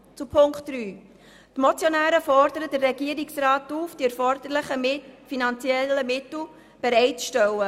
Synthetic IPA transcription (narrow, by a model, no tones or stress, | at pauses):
t͡supʰʊŋktryː | tmot͡sjonæːɾəfɔɾdəɾəd̥ərːɛɡiːəɾɪksrɑːtuːfd̥iɛɾfɔɾd̪̥əɾlɪχəmɪfinɑnt͡sjɛləmɪtl̩ | b̥eɾɛɪtt͡sʃtœwə